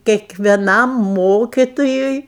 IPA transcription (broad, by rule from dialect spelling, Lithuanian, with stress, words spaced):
kʲiɛkʋʲɛˈnɐm ˈmoːkʲɪtoːjʊɪ